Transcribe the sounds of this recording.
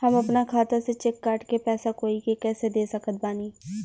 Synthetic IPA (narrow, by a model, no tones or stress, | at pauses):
həmɐpnakʰaːt̪aset͡ʃɪkːaːʈkepɛːsakoːikekɛːsed̪eːsəkət̪̚baːniː